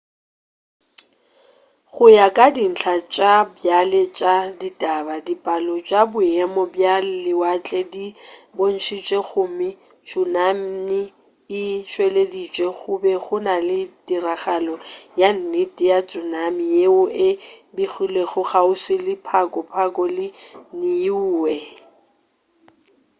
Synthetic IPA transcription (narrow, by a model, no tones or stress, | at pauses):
χʊjakʼadin̩ɬʰat͡ʃʼabjalet͡ʃʼaditʼabadipʼalɔt͡ʃʼabʊɛmɔbjalɪwat͡ɬʼɛdibon̩ʃʰit͡ʃʼeɣʊmɪ | t͡ʃʼʊnam̩nɪ | ɪʃwɛledit͡ʃʼɛχʊbɛχʊnalɪtʼiraχalɔjan̩nɪtʼɪjat͡sʼʊnamijeʊɪbiχileɣʊχaʊsɪlɪpʰakʼɔpʰakʼɔlɪnɪuːwɛ